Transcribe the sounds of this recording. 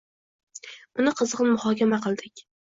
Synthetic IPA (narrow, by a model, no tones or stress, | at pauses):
ʊnɪqʰɨzʁɨnmʊhɒkʲʰamaqʰɨlˠd̪ɪkʲ